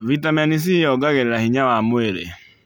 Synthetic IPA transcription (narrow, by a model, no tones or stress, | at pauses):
vitamɛnis̬ijɔɡaɣeɾeɾahiɲawamoeɾḛ